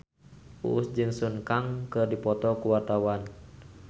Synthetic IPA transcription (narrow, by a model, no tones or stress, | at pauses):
ṵʔusd͡ʒɨŋsunkaŋkɨrdipɔt̪ɔkuwart̪awan